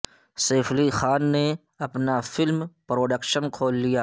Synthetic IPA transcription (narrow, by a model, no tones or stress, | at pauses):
seːfʰlixaːnːe | ɐpnafɪlmpɾoːɖəkʃənkʰoːlːijaː